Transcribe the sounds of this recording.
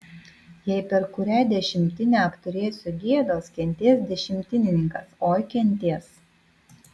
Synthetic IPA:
jɛɪpʲɛɾkʊɾʲæːd̪ʲɛʃʲɪmʲt̪ʲɪnʲɛɐpt̪ʊɾʲeːsʲʊɡʲiɛd̪oːskʲɛnʲt̪ʲiɛsd̪ʲɛʃʲɪmʲt̪ʲɪnʲɪnʲɪŋkɐsoːjkʲɛnʲt̪ʲiɛs

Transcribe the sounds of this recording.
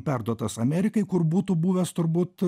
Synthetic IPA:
pʲærd̪uɔt̪ɐsɐmʲæːɾʲɪkɐɪkʊrbuːt̪uːbuːʋʲɛst̪ʊɾbuːt̪

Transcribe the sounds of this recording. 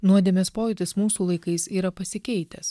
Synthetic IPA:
nuɔd̪ʲeːmʲɛspoːjʊt̪ʲɪsmuːsuːlˠɐɪkɐɪsiːɾɐpɐsʲɪkʲɛɪt̪ʲɛs

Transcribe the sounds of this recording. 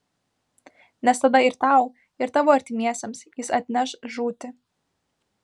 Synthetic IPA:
nʲɛst̪ɐd̪ɐɪɾt̪ɑˑʊ | ɪɾt̪ɑːʋoːɐɾʲt̪ʲɪmʲiɛsʲɛmsjɪsɐt̪ʲnʲɛʃʒuːt̪ʲɪ

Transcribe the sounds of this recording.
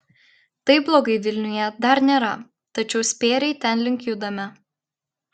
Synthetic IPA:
t̪ɐɪblˠoːɡɐɪʋʲɪlʲnʲʊjɛd̪ɐɾnʲeːɾɐ | t̪ɐt͡ʃʲɛʊsʲpʲeːɾʲɛɪt̪ʲɛnlʲɪŋʲkʲʊd̪ɐmʲɛ

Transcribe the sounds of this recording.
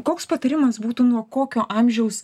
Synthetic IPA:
koːkspɐt̪ɐɾʲɪmɐsbuːt̪uːnuɔkoːkʲoːʔɑmʲʒʲɛʊs

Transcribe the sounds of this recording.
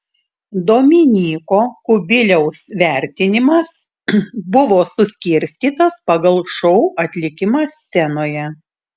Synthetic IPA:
d̪oːmʲɪnʲiːkoːkʊbʲɪlʲɛʊsʋʲæˑɾʲt̪ʲɪnʲɪmɐs | bʊʋoːsʊsʲkʲɪɾʲsʲt̪ʲiːt̪ɐspɐɡɐlˠʃɔʊʔɐt̪ʲlʲɪkʲɪmɑsːʲɛnoːjɛ

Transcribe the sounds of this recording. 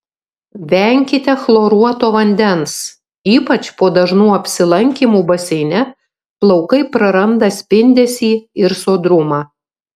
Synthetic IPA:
ʋʲɛŋʲkʲɪt̪ʲɛxlˠoːɾuɔt̪oːʋɐnʲd̪ʲɛns | iːpɐt͡ʃpoːd̪ɐʒnuːɐpʲsʲɪlˠɐŋʲkʲiːmuːbɐsʲɛɪnʲɛ | plˠɒʊkɐɪpɾɐɾɐmd̪ɐsʲpʲɪnʲd̪ʲɛsʲiːɪɾsoːd̪ɾʊmɑː

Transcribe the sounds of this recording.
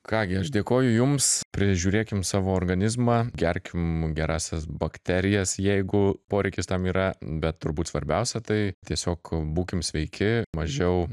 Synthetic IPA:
kɑːɡʲɪɐʃd̪ʲeːkoːjʊjʊmspʲɾʲɪʒʲuːɾʲeːkʲɪmsɑːʋoːoːrɡɐnʲɪzmɑɡʲɛɾʲkʲɪmɡʲɛɾɑːsʲɛsbɐkt̪ʲæɾʲɪjɛsjɛɪɡʊpoːɾʲɛɪkʲɪst̪ɐmiːɾɐbʲɛt̪t̪ʊɾbuːt̪sʋɐɾʲbʲɛʊsʲɛt̪ɐɪt̪ʲiɛsʲoːkbuːkʲɪmsʲʋʲɛɪkʲɪmɐʒʲɛʊ

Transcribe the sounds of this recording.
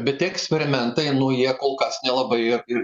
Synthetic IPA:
bʲɛt̪t̪ʲiɛɛksʲpʲɛɾʲɪmʲɛnt̪ɐɪnʊjiɛkoːlˠkɐsnʲɛlˠɐbɐɪɪɪ

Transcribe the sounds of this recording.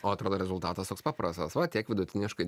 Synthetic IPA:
oːɐt̪ɾoːd̪oːɾʲɛzʊlˠt̪ɑːt̪ɐst̪oːkspɑːpɾɐst̪ɐsʋɐt̪ʲiɛkʋʲɪd̪ʊt̪ʲɪnʲɪʃkɐɪ

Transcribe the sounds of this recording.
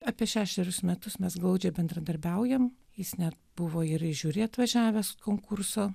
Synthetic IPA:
ɑːpʲiɛʃʲæːʃʲɛɾʲʊsmʲɛt̪ʊsmʲɛsɡlˠɐʊd͡ʒʲɛːbʲɛnd̪ɾɐd̪ɐɾʲbʲɛʊjɛm | jɪsnʲɛt̪bʊʋoːɪɾɪʒʲʊːɾʲeɐt̪ʋɐʒʲæːʋʲɛsʊkoːŋkʊɾsoː

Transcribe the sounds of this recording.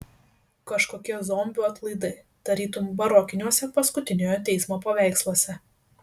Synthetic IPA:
kɐʃkoːkʲiɛzɔːmʲbʲuɐt̪lˠɐɪd̪ɐɪ | d̪̥ɐɾʲiːt̪ʊmbɐɾɔkʲɪnʲuɔsʲɛpɐskʊt̪ʲɪnʲoːjoːt̪ʲɛɪsmoːpɐʋʲæˑɪkslˠuɔsʲɛ

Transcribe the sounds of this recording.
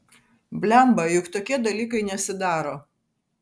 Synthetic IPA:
bʲlʲɛmbɐjʊkt̪oːkʲiɛd̪ɐlʲiːkɐɪnʲɛsʲɪd̪ɑːɾoː

